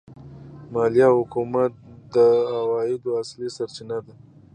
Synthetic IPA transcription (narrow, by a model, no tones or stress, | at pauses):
mɑlijɑhʊkumat̪̚d̪əawɑjɪd̪oaslisaɾt͡ʃinad̪a